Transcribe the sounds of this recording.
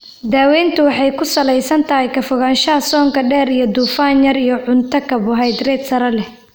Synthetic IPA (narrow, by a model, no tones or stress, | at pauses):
d̪aːwɛːnt̪ʰʊwɑħɑjkʰʊsɐlɛjsɐnt̪ʰɐɦɛjkʰɐfʊɣaːnʃɐɦɐsɔːŋkʰɐɖɛːɾijɞd̪uːfaːnjɐɾijɞʕʊnt̪ʰɐkʰɐβʊɦɛjd̪rɛːd̪sɐɾɐlɛh